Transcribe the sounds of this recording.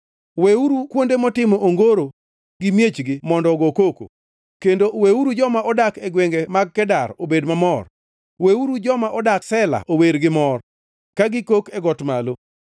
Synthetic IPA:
weuɾukwondemɔtɪmɔʔoŋɡoɾo | ɡɪmjet͡ʃɡɪmɔndɔɡokoko̰ | kendoweuɾud͡ʒɔmaʔɔdakɛɡweŋɡemaɡ̚kɛdaɾobedmamɔr | weuɾud͡ʒɔmaʔɔdaksɛla̰ʔoweɾɡɪmɔr | kaɡɪkokɛɡɔtmalo

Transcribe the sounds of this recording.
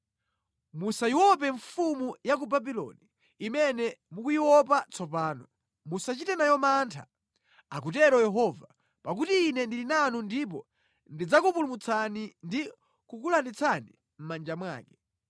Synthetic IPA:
musaiwɔp̬ɛɱfumujak̬ubabilɔ̰niː | mɛnɛmukujiwɔp̬at͡sɔpaːnɔ | musat͡ʃitɛnajɔmantʰa̰ | akutɛɾɔjɛɦɔva | pak̬utiːnɛndilinanundip̬ɔ | ndid͡zakupulumut͡sʰanindi | kukulandit͡sanḭ | m̩mand͡ʒamwa̰ːkɛ

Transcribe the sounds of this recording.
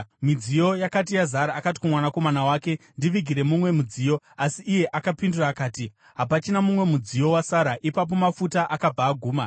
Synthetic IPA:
mid͡zijo̞jakat̬ijazaɾaːkat̬i̥kumwanako̞manawaːke̞ndiʋiɡʱiɾe̞mumwe̞mud͡ziːjo̞ | asiʔːje̞ʔakapinduraːkaːti | ɦapat͡ʃinamumwe̞mud͡zijo̞wasaɾaʔipap̬o̞mafutaʔakab͡vaːɡʱuːma

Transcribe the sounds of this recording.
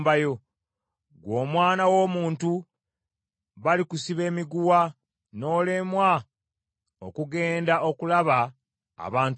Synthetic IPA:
bajo | ɡwo̞ːmwaːnawo̞ːmuːntu | βalikusiβe̞ːmiɡuwa | no̞ːle̞mwa | o̰kuɡe̞ːndaʔo̞kulaβa | a̰βaːnt

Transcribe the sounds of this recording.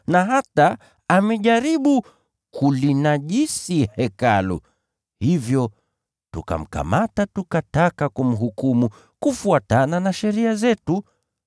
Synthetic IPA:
naɦataː | mɛʄaɾiɓu | kʰulinaʄisihɛkalṵ | hivjɔ | tṵka̰m̩ka̰matatukatakakɔm̩ɦukumu | kufuatananaʃɛɾiazɛtu

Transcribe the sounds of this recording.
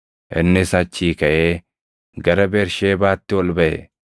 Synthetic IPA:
ʔɪnːɪsɐt͡ʃːiːkɐʔeː | ɡɐɾɐbeːɾʃeːbaːt̪ːɪwɔlbɐʔɛ̰

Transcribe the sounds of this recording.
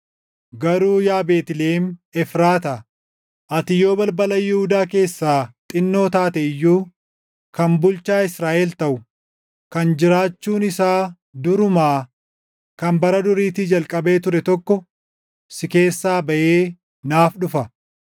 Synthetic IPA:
ɡɐɾuːjaːbe̞ːt̪ɪleːmɛfɾaːt̪ɐ | ʔɐt̪ɪjo̞ːbɐlbɐlɐjɛhʊd̪aːke̞ːsːaːt̪ʼɪnːo̞ːt̪aːt̪ɛɪjːuː | kɐmbʊlt͡ʃaːɪsɾaːʔɛlt̪ɐʔʊ | kɐnd͡ʒɪɾaːt͡ʃːuːnɪsaː | d̪ʊɾʊmaː | kɐmbɐɾɐd̪ʊɾiːt̪ɪd͡ʒɐlkʼɐbe̞ːt̪ʊɾɛt̪ɔkːɔ | sɪke̞ːsːaːbɐʔeː | naːfɗʊfɐ

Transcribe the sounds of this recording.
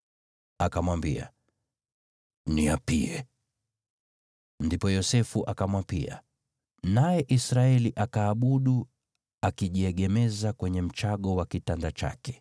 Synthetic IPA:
akamwambḭa̰ | niapiɛ | ndipɔjɔsɛfuʔakamwapia̰ | najɛʔisɾaɛliʔakaːɓuɗu | akiʄiɛɠɛmɛzakwɛɲɛm̩t͡ʃaɠɔwakitandat͡ʃa̰kɛ̥

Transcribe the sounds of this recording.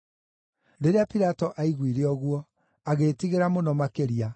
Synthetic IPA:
ɾeɾeapiɾatɔʔaiɣwiɾeɔɣwɔ | aɣeːtiɣeɾamonɔmakeɾia

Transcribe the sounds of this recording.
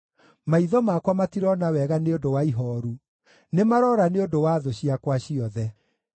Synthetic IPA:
maiðɔmakwamatiɾɔnawɛɣaneodowaiɦɔːɾu | nemaɾɔɾaneodowaðoɕiakwaɕiɔðɛ

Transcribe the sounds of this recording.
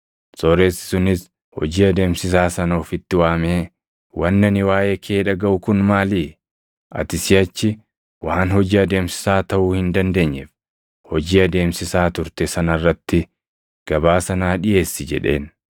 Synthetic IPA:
sɔːɾe̞ːsːɪ̥sʊnɪs | hɔ̰d͡ʒiːɐd̪e̞ːmsɪs̬aːsɐnɐɔːfɪt̪ːɪwaːme̞ː | wɐnːɐnɪwaːjeːkʰeːᶑɐɡɐʔʊkʊnmaːliː | ʔɐ̰t̪ɪsɪɐt͡ʃːɪ | waːnhɔd͡ʒiːɐd̪e̞ːmsɪ̥saːt̪ɐʔuːhɪnd̪ɐnd̪e̞ːɲːɛf | hɔd͡ʒiːɐd̪e̞ːmsɪsaːt̪ʊɾt̪ɛsɐnɐrːɐt̪ːɪ | ɡ̥ɐbaːsɐnaːᶑɪje̞ːsːɪd͡ʒɛ̰ᶑe̞̰ːn

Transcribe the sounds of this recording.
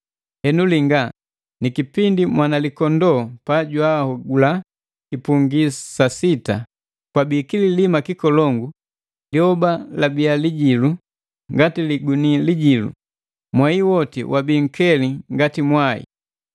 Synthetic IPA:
hɛnuliŋɡa | nikipindimwanalikɔndɔpaɟwahɔɡula | kipuŋɡisasita | kwabiːkililimakikɔlɔŋɡu | liɔbalabialiɟilu | ŋɡatiliɡuniliɟilṵ | mwaiwɔtḭwʔabiŋ̩kɛliŋɡatimwaḭ

